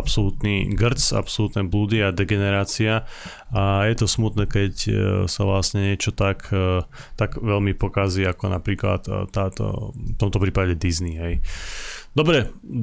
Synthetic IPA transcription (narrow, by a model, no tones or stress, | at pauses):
apsɔlut̪niɡr̩t͡sa̰psɔlut̪nɛblud̪iad̪ɛɡɛnɛɾaːt͡sia | ajɛt̪ɔsmut̪nɛːkɛcsaʋlasɲɛɲɪɛt͡ʃɔt̪akt̪aɡʋɛlmipɔkaziakɔna̰pɾiːkla̰t̪ːaːt̪ɔ̰ft̪ɔmt̪ɔpɾiːpaɟɛd̪izniɦɛj | d̪ɔbɾɛ